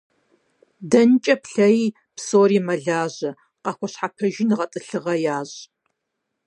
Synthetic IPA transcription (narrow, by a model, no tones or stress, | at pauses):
dɐnt͡ʃʼɐpɬɐjiː | psoːɾiːmɐɮaːʑɐ | qɐxʷɔɕħapʰɐʒɪnɨʁɐtʼɨɬɨʁɐjaːʑ